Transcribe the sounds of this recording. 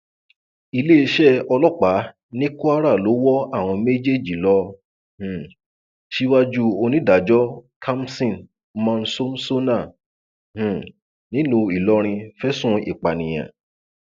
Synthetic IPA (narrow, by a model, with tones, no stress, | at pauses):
i˧le˦i˧ʃɛ˦ɔ˧lɔ˦k͡pa˨˦ | nĩ˦ku˦a˦ɾa˦˨lo˨˦wɔ˦a˦˨w̃ɔ̃˧me˦d͡ʒe˦˨d͡ʒi˨lɔ˧ | h̩˦˨ | ʃi˦wa˦d͡ʒu˦o˧nĩ˦da˨˦d͡ʒɔ˦kʰa˦m˦sĩ˦˨n | mã˧n̩˦so˦m˦so˦nã˦˨ | h̩˨ | nĩ˦nũ˧i˦˨lɔ˧˦ɾ̃ĩ˧fɛ˦sũ˦˨ḭ˨k͡pa˨nĩ˨j̃ã̰˨